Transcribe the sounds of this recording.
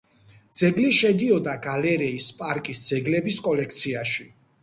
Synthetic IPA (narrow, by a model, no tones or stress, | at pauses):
d̪z̥ɛɡliʃɛd̪iɔd̪aɡalɛɾɛispʼaɾkʼisd̪z̥ɛɡlɛbiskʼɔlɛkʰt̪sʰiaʃi